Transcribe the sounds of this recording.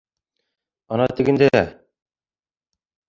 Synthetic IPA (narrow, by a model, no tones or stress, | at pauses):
ɒnɑt̪ɘ̆ɡɘ̆nd̪e